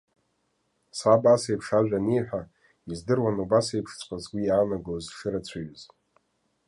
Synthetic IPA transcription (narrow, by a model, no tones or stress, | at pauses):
sabasejpʰʂaʒᶣanejħʷᶣa | izdɨrwanubasejpʰʂt͡sʰʼqʼazɡʷijaːnaɡozʂɨɾat͡ɕʷʰaɥz